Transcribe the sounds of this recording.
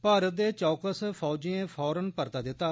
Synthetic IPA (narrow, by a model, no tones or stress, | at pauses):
paːɾət̪̚d̪eːt͡ʃɔːkəspʰɔːd͡ʒiẽːpʰɔːɾənpəɾt̪aːd̪ɪt̪ːaː